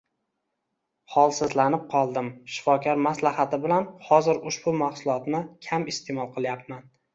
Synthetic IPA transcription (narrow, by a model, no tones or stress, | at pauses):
hɒlˠsɪzlanɪp̚qʰɒlˠd̪ɪmʃɪ̥fɒkʰʲaɾmaslahat̪ʰɪbɪlanhɒzɪɾʊʃbʊmahsʊlˠɒt̪nɪkʲʰamɪst̪ʰemɒlˠqʰɨlˠjap̚man